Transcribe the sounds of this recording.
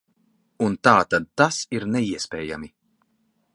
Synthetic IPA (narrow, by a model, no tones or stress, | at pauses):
unt̪aːt̪ad̪̚t̪asiɾnɛiɛspɛːja̰mi